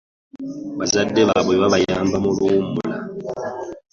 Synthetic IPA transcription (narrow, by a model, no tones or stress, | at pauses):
βazadːeβaβweβaβajaːmbamulumula̰